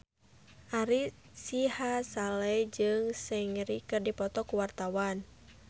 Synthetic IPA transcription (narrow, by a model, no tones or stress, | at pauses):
ʔaɾi | sihasalɛd͡ʒɨŋsɛŋɾikɨrdipɔt̪ɔkuwart̪awan